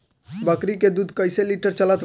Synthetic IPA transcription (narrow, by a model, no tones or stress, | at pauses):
bəkɾiked̪ud̪ʱkəjseliʈəɾt͡ʃələt̪